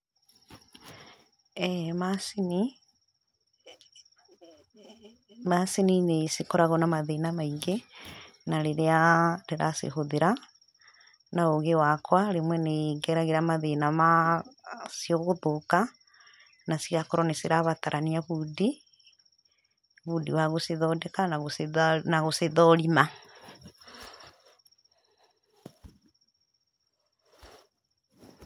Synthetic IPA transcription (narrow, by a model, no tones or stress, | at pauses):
masini | maseninesikɔɾaɣɔnamaðenamaiŋɡe | naɾeɾeaɾeɾa̰sḛɦoðeɾa | naoɣewakwaɾemwɛneɡɛɾaɣeɾamaðenama | sioɣoðoka | nasiɣakoɾɔneseɾaβataɾʔaniaβudi | βudiwaɣoseðɔdɛkanaɣsnaɣoseðɔɾima